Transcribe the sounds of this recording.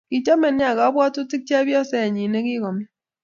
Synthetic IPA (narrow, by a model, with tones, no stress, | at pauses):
ki˨t͡ʃɔ˦mɛ˨nja˨ka˨˦bwa˦tu˦ti˦k̚t͡ʃa˦bjɔ˦sɛ˦a˨ɲi˨ne˦ki˦kɔ˨mi˦